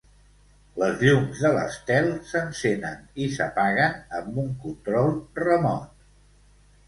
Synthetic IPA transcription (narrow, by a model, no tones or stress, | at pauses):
ləzʎumzðələ̰st̪ɛlˠsənsenənisə̰paɣənəmbuŋkunt̪ɾɔlˠrəmɔt̪̚